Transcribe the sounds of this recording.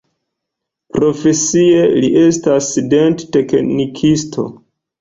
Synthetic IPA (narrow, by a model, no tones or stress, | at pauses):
pɾo̞fe̞sie̞liʔe̞staside̞ntte̞knikʰistʰo̞̰